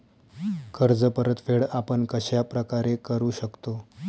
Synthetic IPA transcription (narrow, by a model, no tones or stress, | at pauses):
kʰəɾd͡zəpəɾət̪feɽapəɳkəɕjapɾəkaɾekəɾuːɕəkt̪o